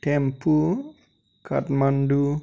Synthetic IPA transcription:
tɛmpu | ka̰tmandu

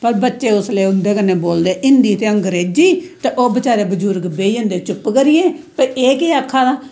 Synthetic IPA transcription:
pəɾbətːʃeːʊsleːʊnd̪eːkənːeːboːld̪eːʔɪnd̪iːt̪eːəŋɡɾeːd͡ʒiːt̪eʔoːbət͡ʃaːɾeːbəd͡ʒuɾɡbeːiə̃nd̪eːt͡ʃʊpkəɾɪjẽːpəɾeːkeːakʰːaːd̪ãː

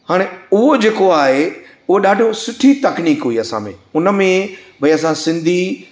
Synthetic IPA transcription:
haːɽ̃eʊɦod͡ʑeːkoaːɦe | ʊɦoɗaːɖʱijõsʊʈʰit̪ɐkniːkɦʊiɐsã̰mḛ̃ʊnə̆mẽbʱɐiɐs̬ãsɪ̃nd̪ʱi

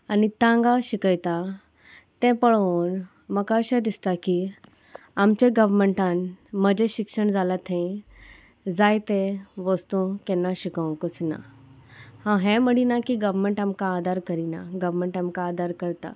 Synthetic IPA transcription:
anit̪ãŋɡaɕikəjt̪a | t̪ɛ̃pəɭon | məkaɕẽd̪ist̪aki | amt͡ɕẽɡəʋɾməɳʈãnməd͡ʑeɕikʂəɳd͡zalat̪ʰẽĩ | d͡zajt̪ɛ̃ʋəst̪ũkɛ̃nːaɕikə̃wkət͡sna̰ | hãɦɛ̃məɽinakiɡəʋɾmə̃ɳʈamkaːd̪ʱaɾkəɾinaɡəʋɾməɳʈamkaːd̪ʱaɾkəɾt̪a̰

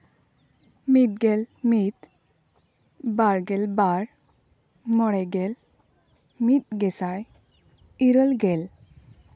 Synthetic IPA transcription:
mid̪̚ɡɛlmit̪ | baɾɡɛlbaɾ | mɔɾɛɡɛl | mit̪ɡɛsaj | iɾɔlɡɛl

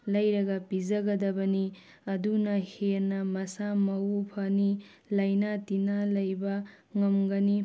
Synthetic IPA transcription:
lɐjɾɐɡɐpizɐɡɐdɐbɐni | ɐdunɐheɾnɐmɐsamɐwupʰɐni | lɐjnatinalɐjbɐ | ŋɐmɡɐni

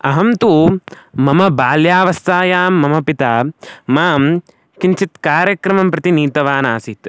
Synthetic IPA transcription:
ɐɦɐmt̪umɐmɐbaːljaːʋɐst̪ʰaːjaːmːɐmɐpit̪aːmaːm | kint͡ʃit̪kaːɾjɐkɾɐmɐmpɾɐt̪iniːt̪ɐʋaːnaːsit̪

